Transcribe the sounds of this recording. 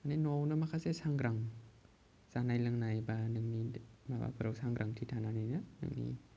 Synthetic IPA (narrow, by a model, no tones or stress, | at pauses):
maninownɯmakʰasesaŋɡɾaŋ | zanajlɯŋnajbanɯŋnimaba̰pʰɯɾawsaŋɡɾʔaŋtʰitʰananɯjnɯnɯ̰ŋnḭ